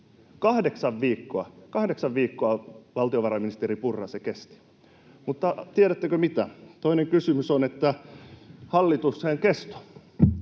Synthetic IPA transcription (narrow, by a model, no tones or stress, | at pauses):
kɑhdeksɑʋʋiːkːoɑkɑhdeksɑʋʋiːkːoɑʋɑlt̪ioʋɑrɑminist̪eɾipurːɑsekest̪i̥ | mut̪ːɑt̪iæɾæt̪ːøkømit̪æt̪oineŋkysymysonet̪ːæ | hɑlːit̪usːeŋkest̪o̥